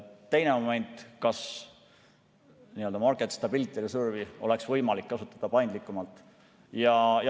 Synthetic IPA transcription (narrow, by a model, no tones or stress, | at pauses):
t̪e̞jne̞mome̞nʲt̪ˑkɑs | niːø̞ld̪ɑmɑrkˑet̪st̪ɑbilit̪ːˑelesurviʔo̞le̞ksvɤjmɑlikːɑsut̪ːˑɑ̥d̪̥ɑpɑjnd̪likːˑumɑlt̪ːˑ | jɑj